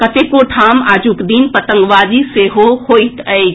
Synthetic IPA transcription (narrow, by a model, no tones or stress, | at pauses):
kət̪ekoʈʰamaːd͡ʒukd̪inpət̪ə̃ŋɡʋad͡ʒ̪iseɦohoit̪əj